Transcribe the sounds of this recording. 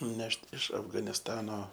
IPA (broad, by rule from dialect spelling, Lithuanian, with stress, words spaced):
ˈnʲɛʃt ɪʃ ɐfɡɐnʲɪsˈtɑːnoː